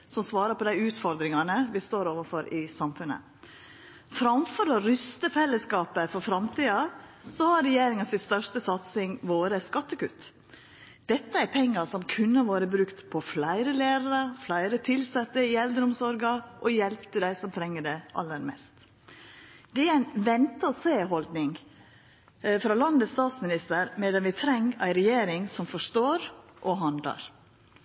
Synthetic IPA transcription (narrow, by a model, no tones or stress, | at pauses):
sɔmsʋɑːɾəpʰɔd̪æɪʉːt̪fɔɾd̪ɾɪŋɑnəbɪst̪oːɾoːʋəfɔɾɪsɑmfʉnə̰ | fɾɑmfɔɾɔɾʏst̪əfɛlːəskɑːpəfɔɾfɾɑmt̪ʰiːɑsɔhɑɾɛjeːɾɪŋɑnsɪt̪st̪œʂtəsɑt̪sɪŋʋoːɾəskɑt̪ːəkʉ̰t̪ | d̪̥ɛt̪ːəæɾpʰɛŋːɑsɔmkʰʉnːəʋoːɾəbɾʉkt̪pʰɔflæɪɾəleːɾɑɾəflæɪɾət̪ʰɪlsɛt̪ːəɪɛld̪ɾʊmsɔɾɡɑʔɔjɛlpt̪ʰəd̪æɪsɔmt̪ʰɾɛŋːəɖɛʔɑ̰lːəɾmɛ̰st̪ | d̪̥ɛæɾæɪnʋɛnt̪əɔseːɦɔld̪nɪŋ | fɾɑlɑnd̪əst̪ɑːt̪smɪnɪst̪əɾmɛd̪ɛnʋɪt̪ʰɾɛŋːæ̰ɪɾɛjeːɾɪŋsɔmfɔʂt̪oːɾʔɔɦɑnd̪lɑ̰ɾ